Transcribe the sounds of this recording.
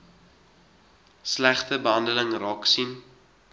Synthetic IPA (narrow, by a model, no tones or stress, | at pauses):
slæχtəbəɦɐndələŋrɑːksim